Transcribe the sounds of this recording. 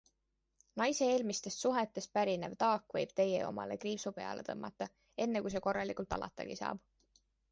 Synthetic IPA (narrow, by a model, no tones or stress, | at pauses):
nɑjse̞eːlmist̪e̞st̪suɦet̪ːˑe̞st̪̚pæɾinevt̪ɑːkːvɤjb̥̚t̪e̞jḛo̞̰mɑ̰le̞̰kriːvsupe̞ɑ̰le̞t̪ɤ̰mːɑ̰t̪ːˑɑ | e̞nːekujs̬e̞ko̞rːɑlikult̪ˑɑ̰lɑ̰t̪ːˑɑ̰ɡ̥isɑ̰ːb̥